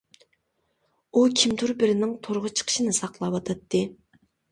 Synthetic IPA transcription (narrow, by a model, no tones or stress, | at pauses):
ukʲʰimt̪ʰuɾbɪɾɪnɪŋt̪ʰoɾʁʊt͡ʃʰə̥qʰə̥ʃɨnɨsɑqlˠɑpɑt̪ʰɑt̪ːɨ